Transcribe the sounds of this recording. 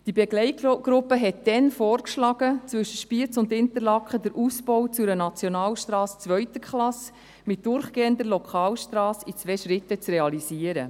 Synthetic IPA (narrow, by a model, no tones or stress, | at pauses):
d̥ibɛɡlɛɪtɡ̥ɾʊpːəɦɛtd̥ɛnfɔːɾkʃlɑɡ̥ət͡svʏʃəʃpiət͡sʊndɪnt̪əɾlɑkχədəɾʔusbɔwt͡sʊɾənɑt͡sjonɑːlʃtɾɑːst͡sʋœʏtəkχlɑs | mɪt̚d̥ʊɾχɡ̥eːəndəɾlɔkʰχɑːlʃtɾɑːsit͡svɛːʃɾɪtːət͡sreɑlisiːəɾə̰